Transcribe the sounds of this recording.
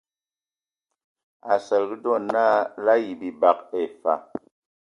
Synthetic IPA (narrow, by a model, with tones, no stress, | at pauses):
a˨sə˨lɣi˦dɔ˦˨na˦la˦ji˨bi˨ba˨ke˨fa̰˨